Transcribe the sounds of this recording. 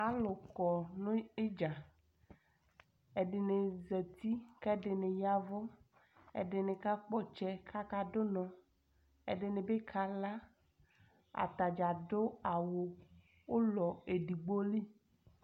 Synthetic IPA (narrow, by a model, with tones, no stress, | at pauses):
a˦lʊ˨kɔ˨nʊ̃˦e˦d͡ʒa˨ | e˨ɖɪ˨ne˨zɛ˨t̪i˦kɛ˦ɖɪ˨nɪ̃˨ja˦vo˦ | ḛ˨ɖɪ˨nɪ̃˨ka˦k͡pɔ˦t͡ʃɛ˦kʰa˦ka˦do˦nɔ̃˨ | ḛ˨ɖɪ˨nẽ˨be˦kʰa˨la˦ | a̰˨t̪a˨d͡ʒa˨dʊ˦a˨wo˨ | wo˦lɔ˨e˨ɖi˨ɡ͡bo˦li˦